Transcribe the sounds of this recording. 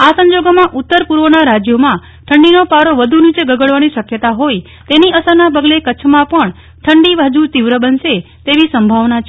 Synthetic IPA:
asə̃ɲd͡ʒoɡmãʔʊt̪ːəɾpuɾʋənaɾad͡ʒjomã | ʈʰəɳɖinopaɾoʋəd̪ʱunit͡ʃeɡəɡəɭʋaniʃəkjət̪aɦoi | t̪eniəsəɾnapəɡlekət͡ʃʰmãpəɳ | ʈʰəɳɖiʋad͡ʒut̪iʋɾəbənʃe | t̪eʋisəmbʱaʋnat͡ʃ

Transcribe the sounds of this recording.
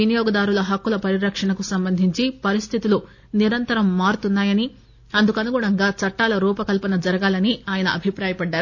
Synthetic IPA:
inijɔːɡɐd̪aːɾulɐɦɐkːulɐpɐɾiɾɐkʂɐɳɐkusɐmbɐnd̪ʱiɲt͡ʃipɐɾist̪ʰit̪ulu | niɾɐnt̪ɐɾɐmːaːɾut̪unːaːjɐni | ɐnd̪ukɐnuɡuːɳɐŋɡaːt͡ʃɐʈːaːlɐɾuːpɐkɐlpɐnɐd͡ʒɐɾɐɡaːlɐniaːjɐnɐʔɐbʱipɾaːjɐpɐɖːaːɾu

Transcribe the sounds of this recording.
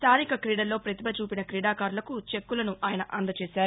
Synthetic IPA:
st̪aːɾikɐkɾiːɽɐlːo̞ːpɾɐt̪ibɐt͡ʃuːpinɐkɾiːɽaːkaːɾulɐkut͡ʃe̞kːulɐnuʔaːjɐnɐʔɐnd̪ɐt͡ʃeːʃaːɾu

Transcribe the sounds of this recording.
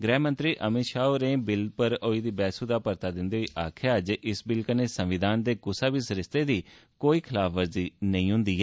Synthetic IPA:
ɡɾɛːmə̃nt̪ɾiːʔəmɪʃaːoːɾẽːbɪlpəɾoːiːd̪iːbɛːsuːd̪aːpəɾt̪aːd̪ɪnd̪eːɦiːʔaːkʰjaːəd͡ʒɪsbɪlkəneːsə̃mʋɪd̪ʱaːnd̪eːkʊsaːbiːsɾɪst̪eːd̪iːkoːiːkʰɪlaːpʰʋəɾziːnəĩːɦʊ̃nd̪iːɦɛː

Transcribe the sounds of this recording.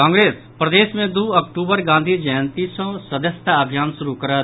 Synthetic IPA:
ãːŋɡɾeːs | pɾɐd̪eːsmẽd̪uːɐk̚ʈuːbəɾɡãːnd̪ʱid͡ʒəjənt̪isɔ̃sɐd̪əst̪aəbʱjaːnʃʊɾukɐɾə

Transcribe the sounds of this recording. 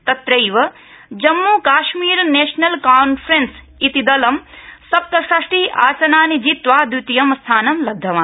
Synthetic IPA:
t̪ɐt̪ɾɐjʋɐ | d͡ʒɐmːuːkaːʃmiːɾneːʂnɐlkaːnfʰɾens | it̪id̪ɐlɐmsɐp̚t̪ɐsɾɐʂʈiʔa̰ːsɐnaːnid͡ʒit̪ʋaːd̪wit̪ijɐmɐst̪ʰaːnɐmlɐd̪ʱːɐʋaː

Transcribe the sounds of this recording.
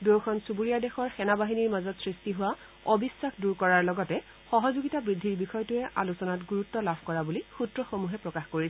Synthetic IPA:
dowkʰɔnsubuɹijadɛxɔɹxɛnabaɦiniɹmazɔtsɹistiɦʊwa | ɔbisːaxduɹkɔɹaɹlɔɡɔtɛ | xɔɦɔzuɡitabɹidʱːiɹbixɔjtujɛʔalusɔnatɡuɹutːɔlabʱkɔɹabulixutɹɔxomuɦɛpɹɔkaxkoɹisɛ

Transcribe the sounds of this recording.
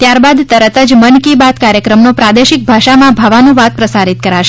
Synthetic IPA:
t̪jaɾbad̪t̪əɾət̪əd͡ʒmənkibat̪kaɾjəkɾəmnopɾad̪eʃik̚bʱaʃamãbʱaʋanũʋat̪̚pɾəsaɾit̪̚kəɾaʃe̥

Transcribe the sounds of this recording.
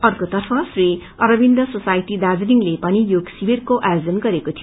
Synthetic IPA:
ʌrkot̪ʌrpʰʌsri | ʌɾʌbind̪ʌsosajʈid̪ad͡zniŋlepʌnijoɡsiberkoʔajod͡zʌnɡʌɾekot̪ʰij

